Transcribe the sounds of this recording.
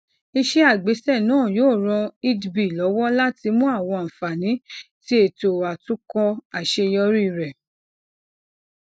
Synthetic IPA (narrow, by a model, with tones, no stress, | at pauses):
i˧ʃe˦a˦˨ɡ͡be˨˦sɛ˦˨nãː˦˨joː˦˨ɾ̃ɔ̃˧i˧dbi˨lɔ˨˦wɔ˦la˦ti˧mũ˦a˦˨w̃ɔ̃˧˨fa˨nĩ˨˦ | ti˦e˦˨to˨a˨tũ˦kɔ˧a˨ʃe˧jɔ˧˦ɾi˦˧˨ɾɛ˨